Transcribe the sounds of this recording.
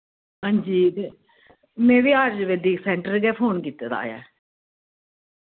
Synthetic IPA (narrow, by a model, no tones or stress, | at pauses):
ɦãːɲd͡ʒiːt̪eː | mẽːʋiːaːɾd͡ʒʋeːd̪iːksɛːɳʈəɾɡɛːpʰoːnkiːt̪ːeːd̪a̰ːja̰ː